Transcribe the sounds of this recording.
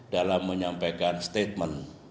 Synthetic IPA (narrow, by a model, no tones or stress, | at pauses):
dalamːəɲampajkanst̪et̪̚mən